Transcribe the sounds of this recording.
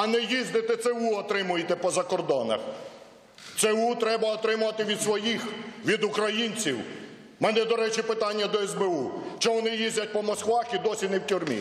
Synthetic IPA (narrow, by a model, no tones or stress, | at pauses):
ɐnɛjizʲd̪ɪt̪ɛt̪sɛʋuɔt̪ɾɪmʊjet̪ɛpɔzɐkɔrd̪ɔnɐ̰x | t̪seut̪ɾɛbɐɔt̪ɾɪmʊʋɐt̪ɪʋʲid̪sʋɔjixʋʲid̪ukɾɐjinʲt͡sʲiw | mɛnɛd̪ɔɾɛt͡ʃɪpɪt̪ɑnʲːɐd̪ɔɛzbeuʃt͡ʃɔʋɔnɪjizʲdʲɐt̚ʲpɔmɔskʋɑxid̪ɔsʲinɛwtʲʊrmʲḭ